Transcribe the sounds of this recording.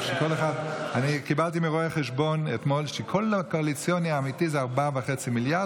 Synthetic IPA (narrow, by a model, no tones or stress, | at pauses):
ʃekoleχadanikibalt̬imiʁoeχeʃ̬bo̞net̪molʃekʰolakoalit͡sjoniaːmitizeaʁbavaχet͡similjaʁd